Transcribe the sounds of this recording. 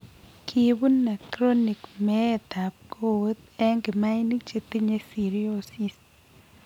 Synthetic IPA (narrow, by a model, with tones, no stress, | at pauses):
kʰi˨bu˦nːa˨kɾo˦ni˨kmɛː˦t̪a˨p̚ko˦wo˦t̪ɛ˦ŋɡɪ˨ma˦i˦ni˦t͡ʃe˨t̪i˦ɲe˦si˨ɾi˦o˦si˨s